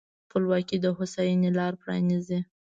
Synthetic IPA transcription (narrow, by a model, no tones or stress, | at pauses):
pəlwɑkid̪əɦʊsajinelɑɾpɾɑ̰nizi